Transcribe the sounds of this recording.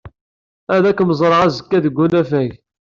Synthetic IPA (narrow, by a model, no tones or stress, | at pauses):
æðækːməzˤɾˤʁazəkːæðəɡʷːunæfæʝ